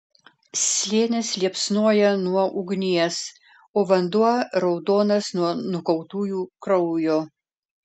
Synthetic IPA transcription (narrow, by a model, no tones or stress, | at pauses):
sʲlʲeːnʲɪslʲiɛpsnuɔjɛnuɔʔʊɡnʲiɛs | oːʋɐnd̪uɔɾɒʊd̪oːnɐsnuɔnʊkɔʊt̪uːjuːkɾɔʊjoː